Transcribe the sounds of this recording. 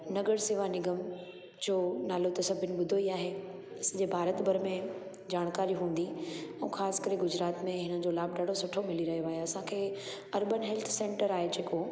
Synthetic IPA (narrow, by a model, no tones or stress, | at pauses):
nɐɡəɽsɪʋanɪɡəm | d͡ʑoːnaːlot̪ɐsɐbʱɪʊnɪ̆ɓʊd̪ʱoiaːɦe | ɐsɐ̃d͡ʑeːbʱaːɾət̪bʱɐɾmẽ | d͡ʑaːɽ̃kaːɾiɦũːn̆d̪iɛ̃ːxaːskɐɾeɡʊd͡ʑɾaːt̪mẽɦɪnəd͡ʑolaːb̚ʱɖaɽ̤ʱosʊʈʰomɪliɾɐɦijoaːɦjoɐsãkʰeː | ɐɾbənɦɛlt̪ʰsẽːɳʈəɾaːɦed͡ʑeːko